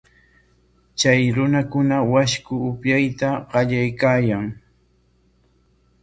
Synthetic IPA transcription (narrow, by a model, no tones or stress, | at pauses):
t͡ʃajɾʊnakʊnawaʃkʊʊpjajt̪aɢɑʎajkaːjaŋ